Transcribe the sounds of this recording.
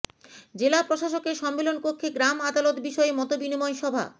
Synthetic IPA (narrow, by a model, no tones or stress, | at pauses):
d͡ʑelapɾoʃaʃokeɾʃɔmːelonpokʰːeɡɾamad̪alot̪biʃɔemɔt̪obinimɔeʃɔbʱa̰